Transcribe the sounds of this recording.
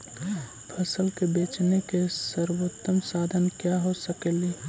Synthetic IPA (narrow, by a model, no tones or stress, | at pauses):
pʰəsəlkebeːt͡ʃnekesəɾwoːt̪ːəmsaːd̪ʱənkjaɦosəkeli